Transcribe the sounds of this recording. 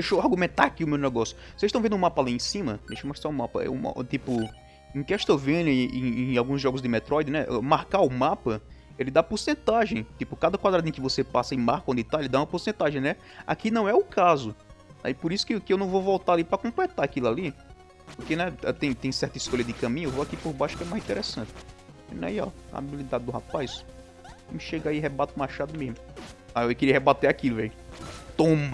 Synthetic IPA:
d̪ejʃowahɡumẽnt̪a̰akiʊmewnɛɡɔsjʊ̥sezʃt̪ɐ̃w̃vẽnd̪ʊũmapɐaliẽsĩmɐd̪ejʃomaʃt̪aũmapɐ̰ɛ̰ṵt̪ipʊ | ẽkɛaʃt̪ovẽnɐẽẽj̃awɡũzʒɔɡʊzd̪ɪmɛt̪ɾɔjd̪ɪnɛʔɛmaɾkaʊmapɐ | elɪd̪apoɾsẽnt̪aʒẽj̃t̪ipʊkad̪ɐkwad̪ɾad̪ẽkɪvosepasɐimaɾkõd̪it̪aelɪd̪aũmɐpoɾsẽnt̪aʒẽj̃nɛ | a̰kinɐ̃w̃ɛʊkazʊ | nɛ̰ipoɾisʊ̥kɪkɪewnɐ̃w̃vowvɔwt̪aalipɾɐkõplɛt̪aakilali | poɾkenɛɛt̪ẽj̃t̪ẽj̃sɛɾt̪ɐiskoʎɐd̪ɪkɐ̃mĩɲʊvoakipoɾbaʃʊ̥kɛmajzĩt̪ɛɾesɐ̃t̪ɪ̥ | nɛ̰iɔ̰ɐ̰a̰bilid̪ad̪ɪd̪ʊɦapajs | mɪʃeɡaiɦebat̪ʊmaʃad̪ʊmezmʊaeewkɪɾiɐɦebat̪eakilʊvḛʊt̪õmɐ

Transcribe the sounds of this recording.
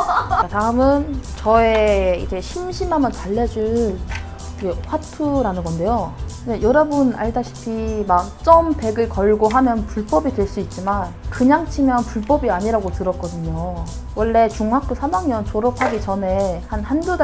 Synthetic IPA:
taɯmɯnt͡ɕʌeḭd͡ʑe̞ɕʰimɕʰimamɯntaɭːed͡ʑu | d͡ʑeɸwatʰuɾanɯnɡʌnde̞jod͡ʑejʌɾʌbuna̰ɭdaɕʰi̥pʰimak̚t͡ɕ͈ʌmpe̞ɡɯɭkʌɭɡoɦamjʌnpuɭp͈ʌbidweɭs͈uit̚t͡ɕ͈imankɯɲaŋt͡ɕʰimjʌnpuɭp͈ʌbiaɲiɾaɡotɯɾʌk͈ʌdɯɲo | wʌɭːe̞t͡ɕuŋɦak̚k͈usʰamaŋɲʌnt͡ɕoɾʌpʰaɡit͡ɕʌne̞hanhanduda

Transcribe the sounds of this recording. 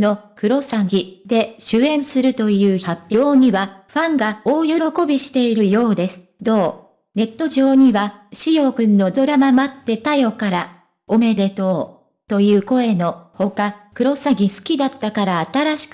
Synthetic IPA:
no̞kɯ̟ɾo̞saɡʲid̪e̞ɕɨẽ̞ɰ̃sɨɾɯ̟t̪o̞jɯ̟ːçapʲːjoːɲ̟iβaɸãŋɡao̞ːjo̞ɾo̞ko̞bʲiɕi̥t̪e̞iɾɯ̟jo̞ːd̪e̞sɨ̥d̪o̞ː | ne̞t̪ːo̞ʑo̞ːɲ̟iβaɕijo̞ɡɯ̟̃nːo̞d̪o̞ɾamamat̪ːe̞t̪ajo̞kaɾa | o̞me̞d̪e̞t̪o̞ː | t̪o̞jɯ̟ːko̞e̞no̞ho̞kakɯ̟ɾo̞saɡʲisɨ̥kʲid̪at̪ːakaɾaːt̪aɾaɕi̥k

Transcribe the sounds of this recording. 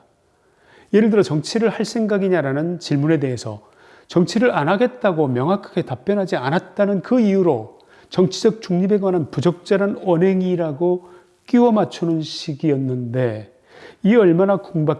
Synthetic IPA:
je̞ɾɯɭdɯɾʌt͡ɕʌŋt͡ɕʰiɾɯɭhaɭs͈ʰe̞ŋɡaɡiɲaɾanɯnt͡ɕiɭmune̞de̞ɦe̞sʰʌ̰ | t͡ɕʌŋt͡ɕʰiɾɯɾanaɡe̞t̚t͈aɡomjʌŋɦakʰḁɡetap͈jʌnɦad͡ʑianat̚t͈anɯnkɯiuɾo | t͡ɕʌŋt͡ɕʰid͡ʑʌk̚t͡ɕ͈uŋɲibe̞ɡwananpud͡ʑʌk̚t͡ɕ͈aɾanʌnɦe̞ŋiɾaɡo | k͈iwʌmat͡ɕʰunɯnɕʰiɡiʌnːɯnde̞ | iʌɭmanakuŋba

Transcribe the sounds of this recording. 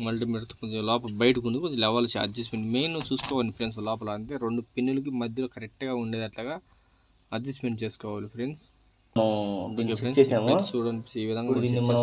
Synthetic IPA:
mɐɭʈimiɾɐt̪u̥pud̪ilɔːpɐbɐjɐʈɐkuɳɖupulɛʋɐlɐt͡ʃːɐ̰dd͡ʒɐsmeɳʈmeːnut͡ʃuːsu̥kɔːʋɐnipɾens̬lɔːpɐlaːɐɳt̪eːɾeɳɖupinːulɐk̬imɐd̪ʱjɐloːkɐɾek̚ʈɡaːuɳɖeːd̪ɐʈlaːɡaː | ɐdd͡ʒɐsmeɳʈ̚t͡ʃeːsu̥kɔːʋaːlipʰɾeɳɖs | nɐkepɾeneːamɾest͡ʃuːɽɐniiːʋid̪ʱɐŋɡamiiɐ

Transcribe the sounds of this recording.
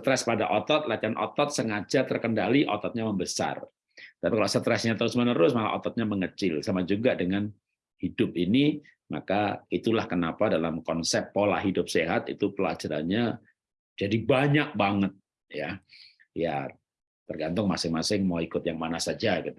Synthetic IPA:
sət̪ɾɛspadaʔot̪ɔt̪̚lat͡ʃanʔɔ̰t̪ɔt̪̚səŋad͡ʒat̪ərkəndaliʔɔ̰t̪ɔt̪̚ɲaməmbəsa̰r | ət̪apikalaʔsət̪ɾɛsɲat̪əɾʊsmənəɾʊsmala̰ʔɔ̰t̪ɔt̪̚ɲaməŋət͡ʃɪlsamad͡ʒuɡadəŋan | hidʊp̚ini | ma̰kait̪ulahkənapadalamkɔnsɛp̚ːola̰ɦidʊp̚seɦat̪ḭt̪upəla̰d͡ʒaɾa̰nɲa | d͡ʒadibaɲak̚baŋət̪̚ | ja | ja | t̪ərɡant̪ʊŋmasɪŋmasɪŋmaikʊt̪̚jaŋmanasad͡ʒaɡit̪u

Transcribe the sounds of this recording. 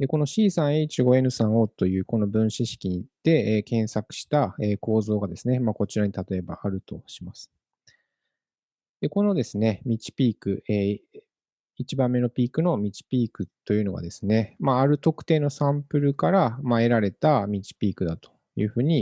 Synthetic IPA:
d̪̥e̞ko̞no̞ɕiːsãɰ̃e̞it͡ɕiɡo̞e̞nɯ̟sãɰ̃o̞t̪o̞jɯ̟ːko̞no̞bɯ̟̃ɰ̃ɕiɕi̥kʲiɲ̟it̪ːe̞ːkẽ̞ɰ̃sakɯ̟̥ɕi̥t̪ae̞ːko̞ːzo̞ːɡad̪e̞sɨne̞maːko̞t͡ɕiɾaɲ̟it̪at̪o̞e̞ba̰ʔaɾɯ̟t̪o̞̰ɕimasɨ̥ | d̪̥e̞ko̞no̞d̪e̞sɨne̞mʲit͡ɕi̥pʲiːkɯ̟eː | it͡ɕibãmːe̞no̞pʲiːkɯ̟no̞mʲit͡ɕi̥pʲiːkɯ̟t̪ːo̞jɯ̟no̞ɡa̰d̪e̞sɨne̞maːɾɯ̟t̪o̞kɯ̟̥t̪e̞ːno̞sãmpɯ̟ɾɯ̟kaɾamae̞ɾaɾe̞t̪amʲit͡ɕi̥pʲiːkɯ̟d̪at̪o̞̥ | jɯ̟̰ːɸɯ̟ːɲ̟i

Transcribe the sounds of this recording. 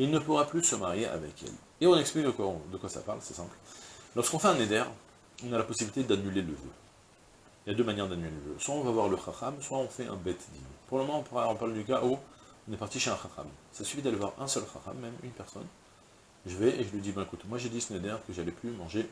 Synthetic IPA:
ilnəpuʁaplysəmaʁjeʔa̰vɛ̰kʰɛ̰l | eɔ̃nɛksplikəkwad̪əkwasa̰paʁlsɛsɛ̃pllɔʁskɔ̃fɛɛ̃ned̪ɛʁ | ɔ̃nalapɔsibilit̪ed̪anyleləvø̰ | iljad̪ømanjɛʁd̪anyleləvø̰swaɔ̃vavwaʁləχaχamswaɔ̃fɛʔɛ̰̃bɛt̪d̪ḭnpuʁmɔmɑ̃ɔ̃pɔ̃paʁld̪ykaʔu | ɔ̃nɛpaʁt̪iʃeɛ̃χaχa̰msasy̥fid̪alevwaʁɛ̃sœlχa̰χa̰mːɛmynpɛʁsɔ̰n | ʒəvɛʔeʒəlɥid̪ibɛ̃kut̪mwaʒed̪isəned̪ɛʁkəʒalɛplymɑ̃ʒe

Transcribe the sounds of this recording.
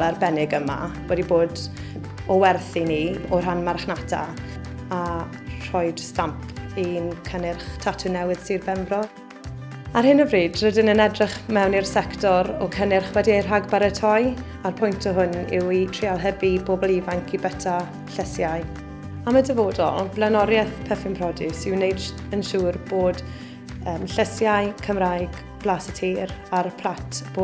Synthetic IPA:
lɛrbɛnɪɡəma̰wɛdiboːd | ɔwɛrθiniɔrɦanmarχnatʰa̰ | a | r̥ɔjd̥stampʰinkʰənɪrχtʰatʰʊnɛwɪð̥sirbɛmbrɔ | arɦhɪnəvriːdrədɪnənɛdrɪχmɛwnirsɛktɔɾɔkʰənɪrχwɛdierɦaɡbaɾətʰɔj | arpʰʊjntʰɔɦʊnɪ̰witʰrialˠɦɛbiboːbɔlˠivaŋkʰibətʰa | ɬəsjaɨ | amədəvoːdɔ̰lˠblˠanɔɾjɛθpʰɛfɪmpʰrɔdɨsɪwnejd̥ | ənʃuːrboːd | əːmɬəsjajkʰəmrajɡ̥ | b̥lasətʰiːɾarpʰl̥ˠatʰb̥o

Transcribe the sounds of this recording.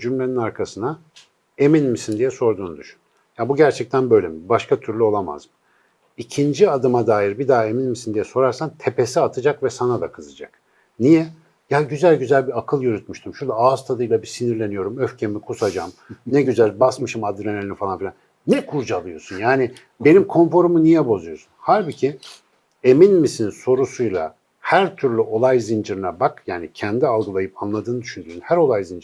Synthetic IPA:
d͡ʒymlʲe̞ninaɾkʰasɯna | e̞minmisind̪ijɛso̞ɾd̪uːnud̪yʃyn | jabuɟæɾt͡ʃʰɛc̚t̪ʰænbø̞jlʲemibaʃkʰat̪ʰyɾlʲyo̞lˠama̰zmɯ | icʰind͡ʒiad̪ɯmad̪aːjiɾbid̪aɦe̞minmisind̪ijɛso̞ɾaɾsant̪ʰe̞pʰesiat̪ʰɯd͡ʒakvɛsanad̪a̰kʰɯzɯd͡ʒak | nijɛ | jaɟyzælʲɟyzælʲbiakʰɯlˠjøɾyt̪̚myʃt̪ʰymʃuɾd̪ˠaaz̥t̪ʰad̪ɯjlˠabisiniɾlʲe̞nijo̞ɾumøfcʰemikʰusad͡ʒamnɛɟyzælʲbasmɯʃɯmad̪ɾenelʲifalˠanfilʲanː | ɛkʰuɾd͡ʒalˠɯjo̞sunjaːnɪ | be̞nimkʰo̞nfo̞ɾumunijɛbo̞zujo̞su̥nhalʲbicʰi | e̞minmisinso̞ɾusujlˠa̰ | hæɾt̪ʰyɾlʲyʔo̞lˠajzind͡ʒɯɾɯnabakjaːnicʰɛnd̪ialˠɡɯlˠajɯpanlˠad̪ɯːnɯd̪yʃynd̪yːnhæɾo̞lˠajzind͡ʒ

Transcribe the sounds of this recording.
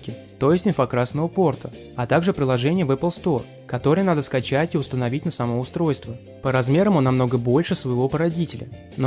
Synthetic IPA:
kʲɪ | t̪o̞jɪsʲtʲɪnfɐkɾasnəvəpo̞rt̪ʰə | ɐt̪aɡʐɨpɾʲɪlˠɐʐɛnʲɪjəvɛplˠst̪o̞r | kɐt̪o̞ɾəjənad̪əskɐt͡ɕætʲiʊst̪ənɐvʲitʲnəsɐmo̞ʊst̪ɾo̞jst̪və | pəɾɐzmʲe̞ɾəmonːɐmno̞ɡəbo̞lʲʂɨsvəjɪvo̞pəɾɐdʲitʲɪlʲə̰ | no

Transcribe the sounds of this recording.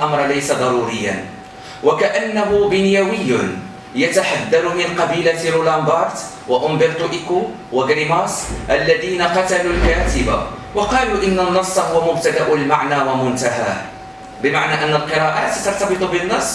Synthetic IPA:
ʔɑmɾˤɑlajsad̪ˤɑɾˤuːɾɪjːa̰n | wakaʔanːaɦʊbɪnjawɪjːʊ | jat̪aħad̪ːalʊmɪnqɑbiːlaɾulambɑɾˤt̪ | waʔʊmbɪɾt̪ˤuʔɪku | waɡɾɪmɑsˤʔalːaðiːnaqɑt̪alulkaːt̪ɪba̰wɑqɑːluːʔɪnːanːɑsˤːɑhʊwːamʊb̚t̪ad̪aʔʊlmaʕnaːwamʊnt̪aɦa̰ː | bɪmaʕnaːʔanːalqɨɾˤɑːʔat̪t̪ɑɾˤt̪ɑbɨt̪ˤʊbɪnːɑsˤː

